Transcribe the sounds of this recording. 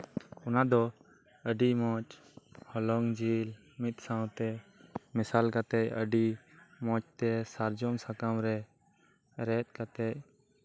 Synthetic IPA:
ɔnad̪ɔ | əɖimɔt͡ʃ | hɔlɔŋd͡ʒil | mit̪̚sawt̪ɛmɪsalkat̪ɛʔə̰ɖi | mɔt͡ʃt̪ɛsaɾd͡ʒɔŋsakamɾɛ | ɾɛt̪̚ˀkat̪ɛc̚

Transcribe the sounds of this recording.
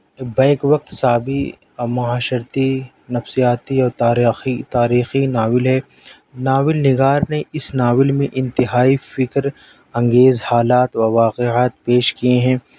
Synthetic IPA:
bɛːkʋɐk̚t̪saːbi | mɐɦaːʃəɾt̪i | nɐfsijaːt̪iɔːɾt̪aːit̪aːɾiːxinaːʋɪlɦɛː | naːʋɪlnɪɡaːɾneɪsnaːʋɪlmẽʔɪ̃nt̪ɪɦaːifɪkɾ | ɐ̃ŋɡeːzhaːlaːt̪ʋɐʋaːqeaːt̪peːʃkieɦɛ̃ː

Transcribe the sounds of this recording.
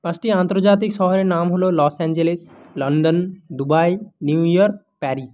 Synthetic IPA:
pãsʈiãnt̪oɾd͡ʑat̪̬ikʃɔɦɔɾeɾnamɦololɔsɛnd͡ʑeleslɔnɖond̪ubajnjuujɔɾk̚ | pɛɾis

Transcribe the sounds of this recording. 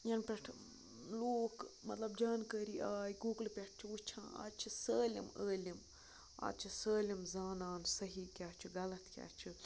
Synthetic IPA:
jɐnpʲeʈʰ | loːkmɐt̪lɐbd͡ʒaːnkəːɾiʔaːjɡuːɡlpʲeʈʰt͡ʃʰiut͡ʃʰãːa̰ːt͡ʃʰisəːlʲḭməːlim | a̰ːt͡ʃʰisəːlʲimzaːnaːnsɐɦiːkʲaːt͡ʃʰiɡɐlɐt̪kʲa̰ːt͡ʃʰi

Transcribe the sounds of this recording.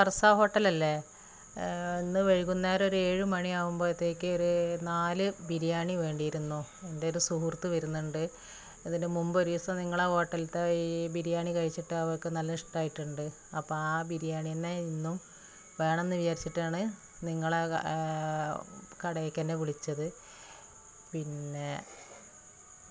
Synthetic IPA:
ɐrɐsaːɦo̞ːʈːɐlɐlːe | inːɨʋeɻikunːaːɾo̞ɾueːɻɨmɐɳiaːʋumbo̞ːit̪ːe̞ːkʲːɨo̞ɾunaːlɨbiɾijaːɳiʋe̞ːɳɖijiɾunːu | endeoɾusuhurt̪ːɨʋɐɾunːuɳɖɨ | iðindemumbɨoɾiʋɐsɐniŋːɐɭaːho̞ːʈːɐlt̪ːebiɾijaːɳikɐɻit͡ɕːiʈːɨɐʋɐrkːɨnɐlːɐiʂʈaːjiʈːuɳɖɨ | ɐpːoːaːbiɾijaːɳijɐnːeinːum | ʋe̞ːɳɐmenːɨʋit͡ɕaːɾit͡ɕːiʈːaːɳɨ | niŋːɐɭe | kɐɽɐjkʲːɐnːeʋiɭit͡ɕːɐðɨ | pinːe̞

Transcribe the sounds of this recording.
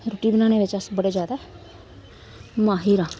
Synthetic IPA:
ɾoːʈiːbɪnaːnẽːʋɪt͡ʃəsbəɽed͡ʒjaːd̪a | maːɦiːɾãː

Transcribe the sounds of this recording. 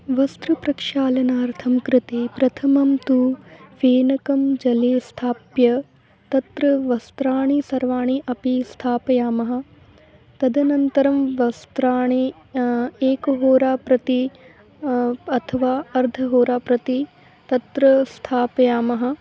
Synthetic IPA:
ʋɐst̪ɾupɾɐkʂaːlɐnaːɐɾt̪ʰɐmkɾɪt̪eːpɾɐt̪ʰɐmɐmt̪uʋeːnɐkɐmd͡ʒɐleːst̪ʰaːpjɐ | t̪ɐt̪ɾɐʋɐst̪ɾaːɳisɐɾʋaːɳiʔɐpist̪ʰaːpɐjaːmɐɦɐ̆ | t̪ɐd̪ʱɐnɐnt̪ɐɾɐmʋɐst̪ɾaːɳe | eːkɐɦoːɾaːpɾɐt̪i | ɐt̪ʰɐʋaːɐɾd̪ʱɐɦoːɾaːpɾɐt̪i | t̪ɐt̪ɾɐst̪ʰaːpɐjaːmɐɦɐ̆

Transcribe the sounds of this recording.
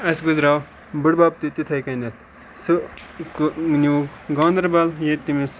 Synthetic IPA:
ɐsɡuzɾaːw | bɨɽbaːp̚t̪it̪it̪ʰɐjkɐnɐt̪ʰ | sɨknʲuːɡ | ɡɔːnd̪ɾbɐljet̪ːimis

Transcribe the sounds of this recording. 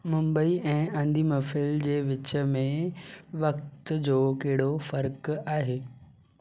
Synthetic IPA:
mʊ̃mbəiɛ̃ːɐ̃nd̪iːmɐfɪld͡ʑeːʋɪt͡ɕə̆mẽʋɐkt̪d͡ʑoːkɐɦɪɽofɐɾkaːɦeː

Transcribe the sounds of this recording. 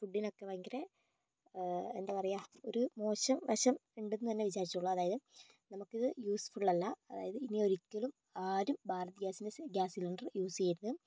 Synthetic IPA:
puɖːinokːepɐːjiŋɡiɾe | end̪apɐrɐjaːo̞ɾumo̞ːɕɐmʋɐɕɐmeɳɖunːɨt̪ɐnːe̞ʋit͡ɕaːɾit͡ɕːuuɭːɐɐðaːjɐðɨ | nɐmukːiðɨjuːsfuɭːɐlːɐɐða̰ːjɐðɨinio̞ɾikʲːɐɭum | aːɾumbʱaːɾɐt̪ɡʲaːsindeɡʲaːsiluɳɖrjuːsejiɾuðɨ

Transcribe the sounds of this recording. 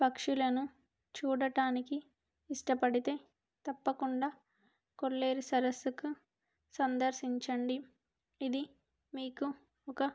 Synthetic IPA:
pɐkʂulɐnu | t͡ʃuːɽɐʈaːnikiː | ʂʈɐpɐɽit̪e̞ː | t̪ɐpːɐkuɳɖaː | koɭːe̞ːɾisɐɾɐsku | sɐnd̪ɐɾʃiɲt͡ʃɐɳɖi | id̪i | miːku | ɔkɐ

